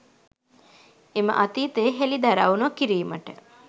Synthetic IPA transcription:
emə̰ʔɐt̪iːt̪eːɦelid̪ɐɾaunuɐkiɾiːməʈə

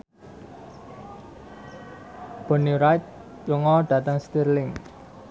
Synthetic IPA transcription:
b̥ɔ̤nuɾat̪̚ | jəŋɔɖ̥ä̤t̪əŋst̪irlɪŋ

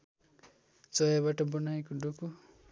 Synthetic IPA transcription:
t͡sʌjabaʈʌbʌnajekoɖoko

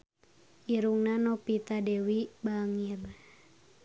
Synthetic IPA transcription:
ʔiɾuŋnanɔpit̪adɛwibaŋir

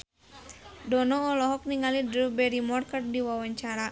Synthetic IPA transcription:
dɔnɔːlɔɦɔk̚niŋalidɾubɛɾimɔrkərdiwawaɲt͡ʃaɾa

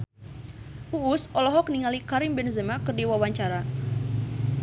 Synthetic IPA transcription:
uːsʔɔlɔɦɔk̚niŋalikaɾimbɛnzəmakɨrdiwawaɲt͡ʃaɾa

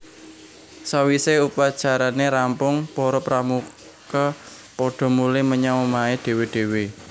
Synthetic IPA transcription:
sawiseupad̥t͡ʃaɾaneɾampʊŋpɔɾɔpɾamu | ka | pɔɖ̥ɔ̤mulɪməɲawɔmaeɖ̥e̤weɖ̥e̤we

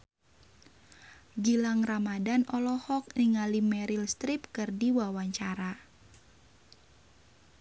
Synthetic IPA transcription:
ɡilaŋramadanʔɔlɔhɔk̚niŋalimɛɾilst̪ɾip̚kɨrdiwawaɲt͡ʃaɾa

